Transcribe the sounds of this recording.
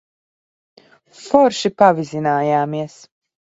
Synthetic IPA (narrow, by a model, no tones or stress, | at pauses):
fɔɾʃipavizinaːjaːmiɛs